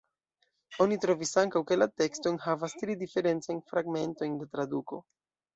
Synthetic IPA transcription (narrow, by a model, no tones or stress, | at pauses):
o̞nitɾo̞visaŋkawke̞late̞ksto̞jnhavastɾidife̞ɾe̞nt͡sajnfɾaɡme̞nto̞jndetɾaduko̞̰